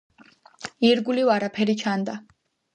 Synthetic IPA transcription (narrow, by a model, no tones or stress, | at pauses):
iɾɡulivaɾapʰɛɾit͡ʃʰand̪a